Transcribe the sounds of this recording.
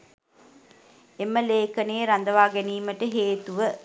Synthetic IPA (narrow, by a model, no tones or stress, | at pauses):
eməleːkɐneːɾɐnd̪ɐʋaːɡæniːməʈəɦeːt̪uʋə